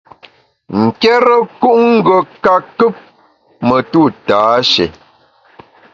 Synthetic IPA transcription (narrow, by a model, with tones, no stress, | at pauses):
ŋ̩˨kɛ˦ɾə˦ku˦ʔŋ̩˦ɡə˨ka˨kɨ˦p̚ | mə˨tu˦˨taː˨˦ʃḛ˨